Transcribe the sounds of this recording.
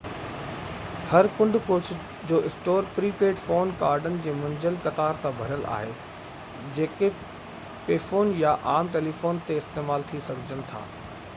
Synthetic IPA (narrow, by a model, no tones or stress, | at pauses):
hɐɾkʊ̃ɳɖʱkoːt͡ɕʰ | d͡ʑoːʔɪsʈoːɾpɾiːpeːɖfoːnkaːɾɖənɪ̆d͡ʑeːmɐ̃ɲd͡ʑəlkɐt̪aːɾsãbʱɐɾəlʔa̰ːɦe | d͡ʑeːke | peːfoːnjaʔaːmʈeːlifoːnt̪eɪst̪eːmaːlt̪ʰisɐɡʱəd͡ʑənɪ̆t̪ʰa̰ː